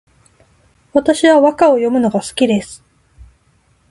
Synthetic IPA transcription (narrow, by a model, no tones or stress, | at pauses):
βat̪aɕiβaβakao̞jo̞mɯ̟no̞ɡasɨ̥kʲid̪e̞sɨ̥